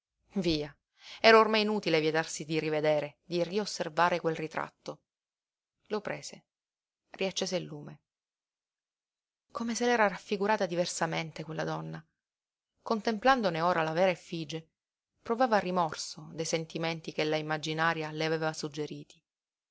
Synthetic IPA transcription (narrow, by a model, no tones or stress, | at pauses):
viːa | ɛːɾaormajinuːt̪ilevjɛt̪arsid̪irived̪eːɾed̪iriosːervaːɾekwelrit̪ɾa̰t̪ːo | lopɾeːze | riat͡ʃːeːzeilːuːme | komeselɛːɾaɾafːiɡuɾaːt̪ad̪iversament̪ekwelːad̪ɔnːa | kont̪empland̪oneoːɾalavɛːɾaefid͡ʒe | pɾovaːvarːimɔrsod̪ajsent̪iment̪ikelːaimːad͡ʒinaːɾjaleaveːvasud͡ʒːeɾiːt̪i̥